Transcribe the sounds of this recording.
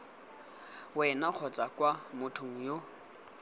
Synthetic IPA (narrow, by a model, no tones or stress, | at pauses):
wɛnak͡xʰɔt͡sʼakʼwamʊtʰʊŋ̩jo